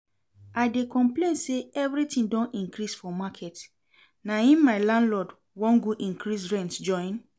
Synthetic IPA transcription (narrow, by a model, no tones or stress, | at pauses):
aɪdekɔ̃mplẽnseɛvɾitĩndɔ̃nĩŋkɾisfɔmakʰɛt | naĩnmaɪlãndlɔd | wɔ̃nɡuʔĩŋkɹisɹɛ̃ntd͡ʒɔ̃ɪ̃n